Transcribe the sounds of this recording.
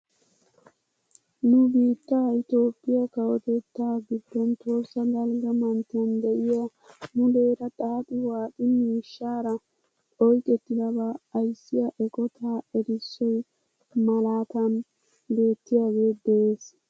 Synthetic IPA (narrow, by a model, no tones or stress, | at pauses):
nʊbiːt̪ːaːɪt̪o̞ːpʼːɪjɐkɐwɔt̪ɛt̪ːaɡɪbɾɛnt̪o̞ːɾsɐɡɐlɡɐmɐnt̪und̪ɛʔɪja | nʊd̪e̞ːɾɐt̪ʼat̪ɪwaːt̪ʼɪmiːʃːaːɾɐ | ʔɔjkʼɛt̪ːɪd̪ɐbɐːjsːɪjaʔɛkʼɔt̪ʰaːɛɾɪsːɔj | mɐlaːt̪ɐn | be̞ːt̪ːɪjaɡe̞ːd̪ɛʔeːs